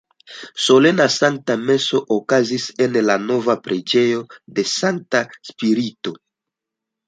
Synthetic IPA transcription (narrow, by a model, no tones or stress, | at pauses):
so̞le̞nasaŋk̚tame̞so̞ʔokazise̞nlano̞vapɾed͡ʒe̞jo̞de̞saŋk̚taspiɾito̞